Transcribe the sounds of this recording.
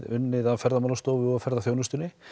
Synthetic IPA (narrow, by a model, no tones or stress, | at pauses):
ðʏnːɪðavfɛɾðamaːlast̪oːwvɪɔɣafɛɾðaθjownʏst̪ʏnːɪ